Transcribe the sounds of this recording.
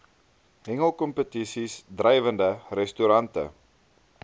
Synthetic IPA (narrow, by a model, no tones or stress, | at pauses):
ɦɛŋəlˠkɔmpətisisdrɛjvəndərɛstuɾɐntə̰